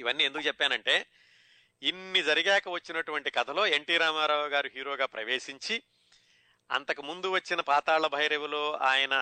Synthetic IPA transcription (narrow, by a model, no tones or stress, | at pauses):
iʋɐnːiːe̞nd̪ukut͡ʃɛpːaːnɐɳʈe̞ː | inːid͡ʒɐɾiɡɛːkɐʋɐt͡ʃːinɐʈuʋɐɳʈikɐt̪ʰɐlo̞ːe̞ɳʈiːɾaːmaːɾaːʋɐɡaːɾuɦiːɾo̞ːɡaːpɾɐʋeːʃiɲt͡ʃi | ɐ̰nt̪ɐkumund̪uʋɐt͡ʃːinɐpaːt̪aːɭːɐbʱɐjɐɾeʋulo̞ːaːjɐnɐ